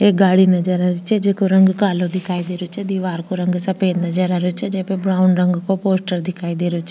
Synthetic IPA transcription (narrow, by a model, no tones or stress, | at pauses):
eːɡaːɽiːnəd͡ʒəɾaɾɪt͡ʃɛd͡ʒeːkoɾəŋɡkaːlõːd̪ɪkʰaːid̪eːɾeoːt͡ʃed̪iːʋaːɾkoːɾə̃ŋɡsəpeːnəd͡ʒəɾaɾeot͡ʃɛd͡ʒeːpebɾaːʊnɖɾəŋɡkoːpoːsʈəɾd̪ɪkʰaːid̪eːɾeot͡ʃʰɛ